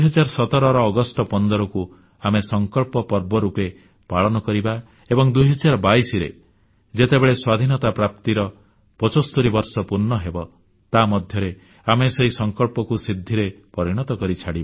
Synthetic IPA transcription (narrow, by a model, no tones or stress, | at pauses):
ɦɔd͡ʒaɾsɔt̪ɔɾɔɾɔːɡɔsʈɔpɔnd̪ɔɾɔku | amesɔŋkɔɭpɔpɔɾbɔɾupe | paɭɔnɔkɔɾiba | ebɔŋd̪ujɦɔd͡ʒaɾbaisiɾḛ | d͡ʒet̪ebeɭeswad̪ʱinɔt̪apɾap̚t̪iɾɔ | pɔt͡ʃost̪uɾibɔɾsɔpuɾnɔɦebɔ | t̪amɔd̪ʱjɔɾe | ameseɦisɔŋkɔɭpɔkusid̪ʱːiɾepɔɾiɽ̃ɔt̪ɔkɔɾit͡ʃʰaɽiba